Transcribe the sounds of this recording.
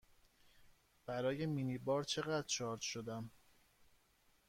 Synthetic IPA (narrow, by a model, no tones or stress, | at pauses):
b̥æɾɒːje̞minibɒːɾt͡ʃʰe̞ɣæd̪ɾt͡ʃʰɒːɾt̪ʃod̪æm